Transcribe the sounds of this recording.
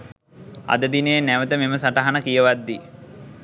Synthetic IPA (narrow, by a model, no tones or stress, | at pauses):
a̰d̪əd̪inəjenæʋət̪əmeməsaʈaɦanəkijəʋad̪ːi